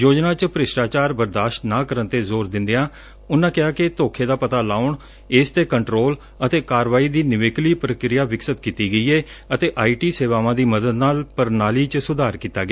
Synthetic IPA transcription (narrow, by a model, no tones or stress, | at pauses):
joːd͡ʒnaːt͡ʃpəɾɪʃɾaːt͡ʃaːɾbəɾd̪aːʃʈnaːkəɾənt̪eːzoːɾd̪ɪ̃nd̪eãː | ʊnãːkɪaːkɪt̪oːkʰeːd̪aːpət̪aːlaːʊɳ | eːst̪eːkəɳʈɾoːl | ət̪eːkaːɾʋaːiːd̪iːnɪʋeːkliːpɾəkɾɪjaːʋɪksət̪kiːt̪iːɡəiːeːət̪eːʔaːiːʈiːseːʋaːʋãːd̪iːməd̪əd̪naːlpəɾnaːliːt͡ʃsʊd̪aːɾkiːt̪a̰ːɡɪaː